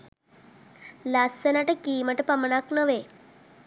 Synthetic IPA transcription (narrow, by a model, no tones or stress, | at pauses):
lasːenaʈəkiməʈepaməɳaknəʋe